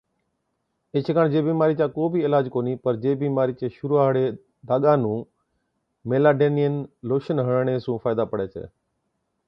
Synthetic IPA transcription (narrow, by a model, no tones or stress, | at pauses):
eːt͡ʃʰəkaːɳd͡ʒeːbiːmaːɾiːt͡ʃaːkoːbʱiɪlaːd͡ʒkoːniːpəɾd͡ʒeːbiːmaːɾiːt͡ʃeːʃʊɾuaːɦɽe | d̪ʱaːɠãːnũː | meːlaːɖeːnijənloːʃənɦəɳɳeːsũːfʰaːɪd̪aːpəɽeːt͡ʃʰḛː